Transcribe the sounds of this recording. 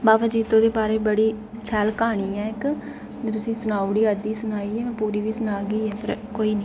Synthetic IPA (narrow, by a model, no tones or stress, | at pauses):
baːbaːd͡ʒiːt̪õːd̪eːbaːɾeːbəɽiː | t͡ʃʰɛlkaːɳ̃iːɛːɪkː | t̪ʊsĩːsənaːʊɽiːəd̪iːsʊnaːiːɛːɛ̃ːpuːɾiːʋiːsʊnaːɡiːɛːpəɾkoːiː